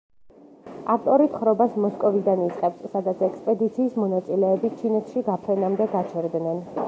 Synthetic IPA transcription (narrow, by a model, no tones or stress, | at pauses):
aft̪ʼɔɾit̪χɾɔbasmɔskʼɔvid̪anit̪sʼqʼɛpsːad̪at̪sʰɛkspʼɛd̪it̪sʰiːsmɔnat̪sʼilɛːbit͡ʃʰinɔt̪ʰʃiɡapʰɾɛnamd̪ɛɡat͡ʃʰɛɾd̪nɛn